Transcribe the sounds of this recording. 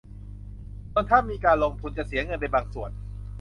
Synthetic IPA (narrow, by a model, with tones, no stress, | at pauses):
t̪ɔː˧nt̪ʰaː˥˩mːiː˧kaː˧nloː˧ŋt̪ʰu˧nt͡ɕa˨˩si˩˦ɐŋɤ˧npa˧jbaː˧ŋsu˨˩ən